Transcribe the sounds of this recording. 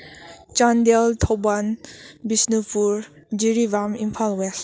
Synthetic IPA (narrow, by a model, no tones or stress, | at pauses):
t͡ʃand̪elt̪ʰɔbanbisnupuɹ | d͡ʒiɾibamimpʰalwɛs